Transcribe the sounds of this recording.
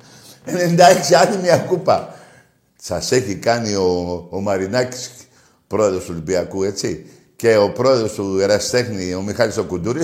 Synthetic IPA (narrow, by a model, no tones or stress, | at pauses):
enend̪aiksianimiakupa | t͡sasekikanioːmaɾinaksk | pɾoeðosulbiakuet͡si | keopɾoeðosueɾast̪ekniomixalsokud̪uɾi